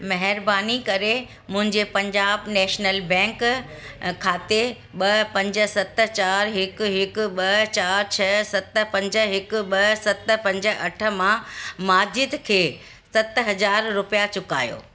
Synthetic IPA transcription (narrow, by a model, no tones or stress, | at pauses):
mɐɦɪɾbaːnikɐɾe | mʊ̃ɦɪ̃ɲd͡ʑepɐ̃ɲd͡ʑaːbnɛːʃnəlbɛ̃ːŋk | kʰaːt̪e | ɓɐpɐ̃ɲd͡ʑə̆sɐt̪t͡ɕaːɾɦɪkɦɪk̆ɓɐt͡ɕaːɾt͡ɕʰɐsɐt̪əpɐ̃ɲd͡ʑə̆ɦɪkʊɓɐsɐt̪̆pɐ̃ɲd͡ʑə̆ɐʈʰə̆mãmaːd͡ʑɪd̪kʰeː | sɐt̪ɦɐzaːɾɾʊpijat͡ɕʊka̰ːjo̰ː